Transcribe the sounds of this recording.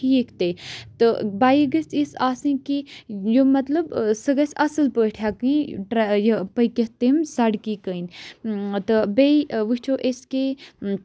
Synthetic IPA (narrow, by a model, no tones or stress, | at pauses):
iekʰt̪et̪ɨbaːjɡɐst̪isaːsɨ̃nkijomɐt̪lɐbsɨɡɐsʲɐsɨlpəːʈʰjakɨ̃ʈɾjpəjket̪emsaɽkiːkəjn | t̪ɨbeʋɨt͡ʃʰoːʔeske